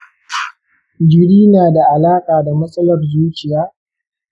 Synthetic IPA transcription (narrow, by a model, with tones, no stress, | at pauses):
d͡ʒɪ˨ɽiː˦naː˨da˨ʔa˨laː˦kʼaː˨da˨mɐ˦sʼɐ˦lɐ˨rzuː˦t͡ʃɪ˨jaː˦